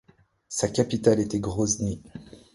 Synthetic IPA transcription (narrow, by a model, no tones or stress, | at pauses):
sakʲapit̪alet̪ɛɡʁozni